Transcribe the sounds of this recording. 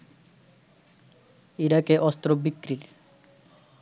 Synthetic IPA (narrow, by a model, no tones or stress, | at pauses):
iɾakeʔɔst̪ɾobikːɾiɾ